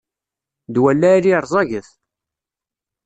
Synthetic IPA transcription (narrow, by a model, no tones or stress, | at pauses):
d̪wælːæɾiɾˤzˤɑʝəθ